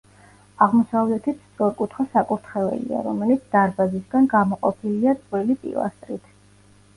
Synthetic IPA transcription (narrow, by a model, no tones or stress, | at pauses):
aʁmɔsavlɛt̪ʰit̪sʰt̪sʼɔɾkʼut̪ʰχwasakʼuɾt̪ʰχɛvɛ̰lḭa̰ɾɔmɛlit̪sʰd̪̥aɾbazisɡanɡamɔqʼɔpʰiliat̪sʼqʼɾilipʼḭlˠa̰st̪ʼɾit̪ʰ